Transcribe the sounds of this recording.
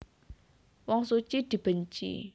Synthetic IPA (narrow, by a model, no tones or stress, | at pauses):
waŋsot͡ɕidipənt͡ɕḭ